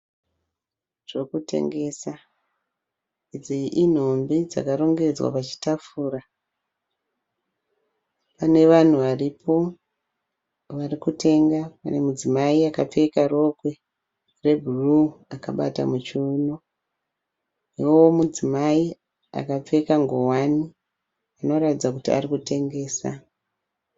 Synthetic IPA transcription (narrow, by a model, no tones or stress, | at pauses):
ʐ̥e̞kute̞̰ŋɡe̞ːsa | id͡ziʔin̤ombid͡za̰karo̞ŋɡe̞d͡zwa̰pat͡ʃi̥tafuːra | pane̞ʋan̤uʋaripʰo̞ | ʋarikute̞ŋɡapa̰ne̞mud͡zimaiakap͡fe̞karo̞kwe̞ | re̞bʱuruaka̰ɓa̰ta̰mut͡ʃuːno | iwowomud͡zimai | a̰kap͡fe̞kaŋɡowani | ano̞ratid͡zakutia̰rikute̞ŋɡe̞ːsa̰